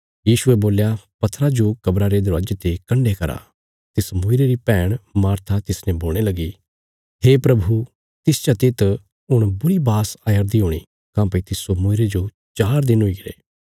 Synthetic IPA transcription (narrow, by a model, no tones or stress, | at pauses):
jiːʃʊeboːljapɐt̪ʰːɾad͡ʒokɐbɾaɾed̪ʊɾad͡ʒt̪ekɐ̃ɳɖekɐɾa̰ | t̪ɪsmʊɪɾeɾipɛːɽ̃maːɾt̪ʰat̪ɪsnɛ̃boːlɽ̃elɐɡi | ɦeːpɾɐbʱu | t̪ɪst͡ʃat̪ɪt̪ | ʊɽ̃bʊɽibaːsajəɾd̪iɦoːɽ̃ḭ | kãːpet̪ɪsomʊɪɾed͡ʒo | t͡ʃaːɾd̪ɪnɦʊiɡɪɾḛː